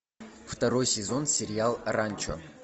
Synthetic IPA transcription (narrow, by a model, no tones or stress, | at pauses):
ft̪ɐɾojsʲɪzonsʲɪɾʲɪalˠranʲt͡ʃo̰